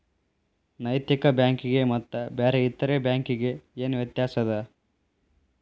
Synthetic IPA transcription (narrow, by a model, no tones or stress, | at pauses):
nɐjt̪jikɐbjaːŋkiɡe̞mɐt̪ːɐbeːɾeit̪ːɐɾebjaːŋkiɡe̞eːnuʋjɐt̪jaːsɐd̪ɐ